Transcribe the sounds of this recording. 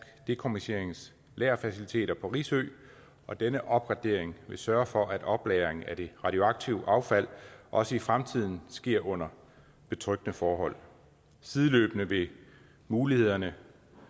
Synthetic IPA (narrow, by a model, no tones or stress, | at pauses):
ɡ̥d̥e̝kʰomise̝̰ɐ̰e̝ŋn̩s | lɛːɐfæsilit͡sʰe̝̰ːɾ̥ɐpʰɒ̽ʁḭːsø̰ː | ɒ̽d̥enəʔɒ̽b̥ʁɑ̈d̥e̝ɐ̰eŋʋe̝sɶːɐfɒ̽ʔæd̥ɒ̽b̥lɛːɐeŋ̩æd̥e̝ʁɑ̈d̥io̝ɑ̈ɡ̥̚t͡sʰiʊʔɑ̈ʊfæl̰ʔɒ̽səifʁamt͡sʰið̞̰ˠn̩sɡ̥e̝ɐ̰ʔɔ̽n̰ɐ | b̥e̝t͡sʰʁœɡ̥nəfɒːɦɒ̽l̰ | siðˠəløːb̥ənəʋe̝ | muːlihe̝ð̞̰ˠɐnə